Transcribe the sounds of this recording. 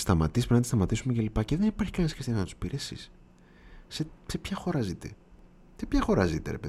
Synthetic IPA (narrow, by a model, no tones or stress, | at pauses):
st̪ɐmɐt̪ispɾnɐt̪ist̪ɐmɐt̪isumece̞lipɐceðenipɐɾçi̥kɐnesxɾist̪inznɐt̪u̥spiɾʔesḭs | sesepçɐxo̞ɾɐzit̪ḛ | sepçɐxo̞ɾɐzit̪ḛɾepe